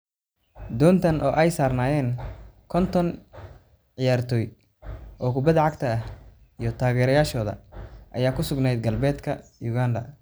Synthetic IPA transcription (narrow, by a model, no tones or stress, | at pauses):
d̪ɔːnt̪ʰɐnʔɔːʔɛjsaːrnaːjɛːnkʰɔnt̪ʰɔn | ʕɪjaːrt̪ʰɔːj | ʔɔːkʰʊbɐðʕɑɡt̪ʰɐɐh | ijɞt̪ʰaːɣɛːɾɐjaːʃɔːðɐ̰ʔɐ̰jaːkʰʊsʊɡnɛjd̪̚ɡɐlbɛːd̪kʰɐjʊɣaːnd̪ɐ̰